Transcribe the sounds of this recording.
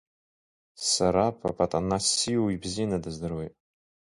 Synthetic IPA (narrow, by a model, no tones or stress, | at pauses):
saɾapʰa̰pʰʼatʼanasijuibzinadɨzdɨrwejtʼ